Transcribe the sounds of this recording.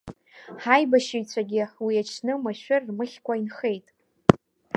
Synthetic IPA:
ħajbaʃijt͡ɕʷʰaɡʲɪwiat͡ʃʰnɨmaʃᶣʊrːmɨχʲkʷainχe̞jtʼ

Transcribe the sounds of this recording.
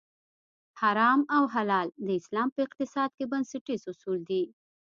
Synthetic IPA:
haɾɑmawɦalɑld̪əɪslɑmpəɪq̚t̪ɪsɑd̪̚kebansɪʈizʊsuld̪i

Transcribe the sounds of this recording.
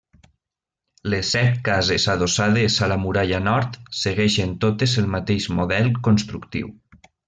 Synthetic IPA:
lesːɛt̪̚kazesaðosaðezalamuɾaʎanɔɾt̪seɣɛʃent̪ot̪ezelˠmat̪eʃmoðɛlˠkonst̪ɾuk̚t̪ḭw

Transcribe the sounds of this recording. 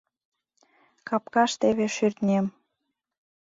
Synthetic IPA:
kɑp̚kɑʃt̪eβeʃyrt̪nʲem

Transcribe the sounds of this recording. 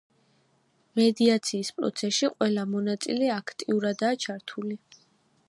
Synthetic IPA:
mɛd̪iat̪sʰiːspʼɾɔ̰t̪sʰɛsʃiqʼwɛlamɔnat̪sʼḭlɛakʰt̪ʼiuɾad̪aːt͡ʃʰaɾt̪ʰuli

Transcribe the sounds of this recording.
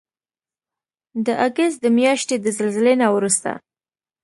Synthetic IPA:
d̪əʔaɡəst̪̚d̪əmjɑʃt̪ed̪əzəlzɪlenawɾust̪a̰

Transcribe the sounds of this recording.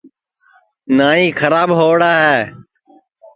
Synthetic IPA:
naːĩːkʰəɾaːbɦoːɽaːɦɛː

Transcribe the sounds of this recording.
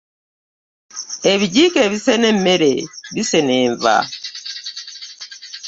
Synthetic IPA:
eβiɟiːkeβisene̞mːe̞ɾeβise̞ne̞ːɱva̰

